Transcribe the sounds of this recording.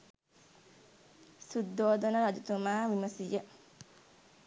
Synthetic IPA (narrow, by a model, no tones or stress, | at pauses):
sud̪ːoːd̪ɐnəɾɐd͡ʒut̪umaːʋiməsijə